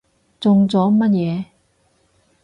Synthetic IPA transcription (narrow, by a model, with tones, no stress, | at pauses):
t͡sʊ˧ŋt͡sɔː˨˥mɐ˥t̚jɛː˨˧